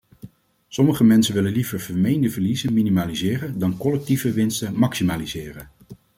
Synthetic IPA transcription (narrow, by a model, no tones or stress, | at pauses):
sɔməχəmɛnsənʋɪlənlivəɹvəɹmejndəvəɹlizənminimaːlizɪːrəndɑnkɔlɛk̚tivəʋɪnstəmɑksimaːlizɪːrən